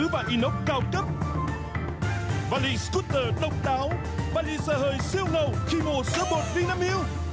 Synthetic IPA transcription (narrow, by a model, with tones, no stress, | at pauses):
ɨ̰˧˦˥vaː˨˩ʔi˧˦no˦˥wk͡p̚kaː˧˩wkə˦˥p̚ | vaː˧lḭ˧sku˦˥t̚ːəː˨˩ɗə˧wŋ͡m̚ɗaː˨˦w | vaː˧lḭ˧səː˧˩həː˨˩jsi˧əwŋə˨˩wxi˧ŋo˨˩sɨː˨˦ɓo˨˩t̚vi˧naː˧mi˧əw